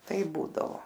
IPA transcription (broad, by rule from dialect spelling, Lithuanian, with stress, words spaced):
ˈtɐɪp ˈbuːdɐʋoː